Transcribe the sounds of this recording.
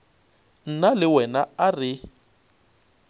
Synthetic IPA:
n̩nalɪwɛnaarɪ

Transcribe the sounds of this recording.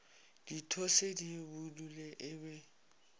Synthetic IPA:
d̥itʰosedibuduleʔɪbɛ

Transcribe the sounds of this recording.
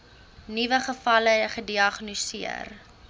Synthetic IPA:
nivəχəfɐləχədiɐχnosiə̰r

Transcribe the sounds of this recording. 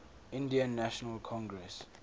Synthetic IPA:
ɪ̃ndiə̃nːaʃɔnəlkʰɔ̃ŋɡɹɛs

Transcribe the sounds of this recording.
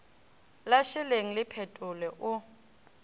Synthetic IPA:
laʃɪleŋ̩lɪpʰɛtʼʊlɛʔʊ

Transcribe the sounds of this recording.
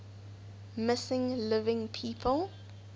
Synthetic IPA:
mɪsɪ̃ŋlɪvɪ̃ŋpʰiːpʰəlˠ

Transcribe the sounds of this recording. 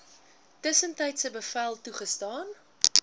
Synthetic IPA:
təsəntɛjtsəbəfælˠtuχəstɑːn

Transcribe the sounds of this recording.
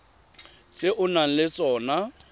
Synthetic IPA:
sɪʔʊnaŋ̩lɪt͡sʼɔːna

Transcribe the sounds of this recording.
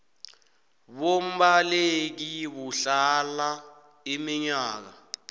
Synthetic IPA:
ɓom̩ɓalek̬iɓuɬala | imiɲaːk̬a

